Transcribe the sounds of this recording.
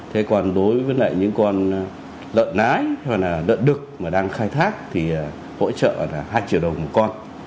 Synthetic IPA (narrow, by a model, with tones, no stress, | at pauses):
t̪ʰe˨˦kɔ˨˩nɗo˨˦jvəː˨˦jla̰ː˧˨jɲɨ̰˧˥ŋkɔ˧n | lə̰ː˧˨nnaː˨˦jha˨˩naː˨˩lə̰ː˧˨nɗɨ˨˩k̚maː˨˩ɗaː˧ŋxaː˧jt̪ʰaː˦˥k̚t̪ʰi˨˩ə˨˩ | ho̰˧˥t͡ɕə̰ː˧˨laː˨˩ɦaː˧jt͡ɕḭ˧˨wɗə˨˩wŋ͡mmo˨˩t̚kɔ˧n